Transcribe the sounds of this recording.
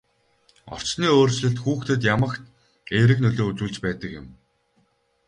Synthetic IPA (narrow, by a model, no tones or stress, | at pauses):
ɔ̰r̥t͡ɕniːoːrt͡ɕɮɘ̆ɬt̪xuːxt̪ʰɘ̆t̪̬jamə̆kt̪ | eːɾɘ̆knɵɮoːut͡ɕuːɮt͡ɕpæːt̪ə̆kjɪ̰̆m